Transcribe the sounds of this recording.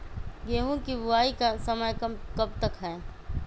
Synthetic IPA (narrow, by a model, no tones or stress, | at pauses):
ɡeːɦõkibʊaːikasəməjkɐb̚t̪əkɦɛː